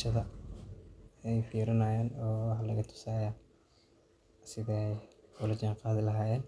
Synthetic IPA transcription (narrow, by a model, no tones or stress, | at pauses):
ʃɐðɐ | ɛjfiːɾɪnɐjaːnɔːwɑħɑlɐɣɐt̪ʰʊ̥saːjaː | sɪðɛjʊlɐd͡ʒaːɴqɑːðɪlɐɦaːjɛːn